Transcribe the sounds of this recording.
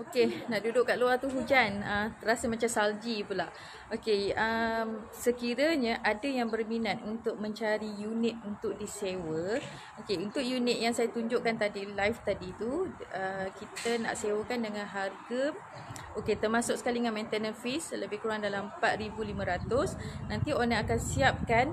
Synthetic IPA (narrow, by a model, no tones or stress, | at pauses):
okenaʔdudʊʔkaʔluart̪uɦud͡ʒanət̪əɾasamat͡ʃamsald͡ʒipulaʔ | okeəm | səkiɾəɲəʔadəjaŋbərminat̪̚unt̪ʊk̚mə̃ɲt͡ʃaɾijunit̪̚unt̪ʊk̚disewə | okeunt̪ʊkjunɪt̪̚jaŋsajat̪uɲd͡ʒʊʔkant̪adilajft̪adit̪uəkit̪əna̰ʔsewəkandəŋãnɦarɡəm | oket̪ərmasʊk̚sə̥kaliŋanmɛ̃nt̪ənənfisləbɪhkuɾuaŋdalampat̪̚ribulimãɾat̪ʊsnãnt̪ionaakansiap̚kan